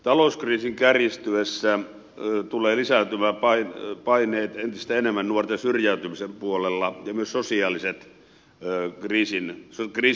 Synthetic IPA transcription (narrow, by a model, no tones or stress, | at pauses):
t̪ɑlouskriːsiŋkærist̪yesːæ | t̪uleːlisæt̪ymæːpɑinpɑinˑeːt̪ent̪ist̪æenemːænnuort̪ensyrjæyt̪ymisempuolelːɑjɑmyøssosiɑːliset̪ː | kriːsinsokriː